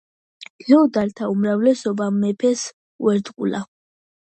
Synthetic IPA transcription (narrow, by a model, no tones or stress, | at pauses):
ɡɛɔd̪aɾt̪ʰaumɾavlɛsɔbamɛpʰɛs | uɛɾd̪qʼṵla